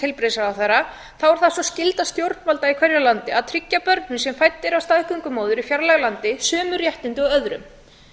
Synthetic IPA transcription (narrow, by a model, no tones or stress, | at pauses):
t̪ʰɪlpɾɪsaðawθeɾa | θawɔɾ̥θaðsɔscɪlt̪ast̪jowɾt̪nvalt̪aikʰvɛɾjalant̪ɪaðt̪ʰɾicːapœɾt̪nʏnsɛmfajt̪ːɪɾawst̪aðhkʏŋkʏmoːwðʏɾifjaɾlɛɣlant̪ɪsœːmʏɾjɛht̪ɪnt̪ɪɔœðɾʏ̰m